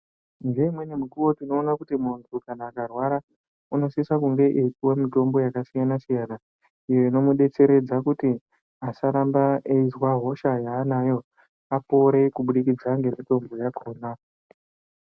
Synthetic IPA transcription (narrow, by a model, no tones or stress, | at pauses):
ŋɡe̞imwe̞nemuɡuwo̞tino̞ːnakutimuntukanaːkarwaɾa | uno̞sisakuŋɡe̞ʔekuwemito̞mbo̞jakasijanasijana | ijeino̞muɗe̞t͡se̞ɾe̞d͡zakuti | asaɾambaeizwaɦo̞ʃajaːnajo̞ | apo̞ɾe̞kuɓuɗikid͡zaŋɡe̞mito̞mbo̞jakʰoːna